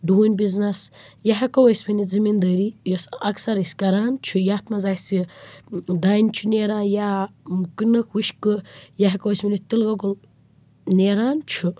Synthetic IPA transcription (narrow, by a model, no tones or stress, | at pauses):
ɖuːnʲbiznɐsjɐɦɐkɐwəsʲbinid͡zɨmind̪əːɾijosɐksɐɾisʲkɐɾaːnt͡ʃʰujaːt̪mɐzaːsi | d̪aːnʲt͡ʃʰuneːɾaːjakɨnɨkʰwuʃkɨjaɦɐkɐwəsʲminit̪ilɡɐɡul | neɾaːnt͡ʃʰu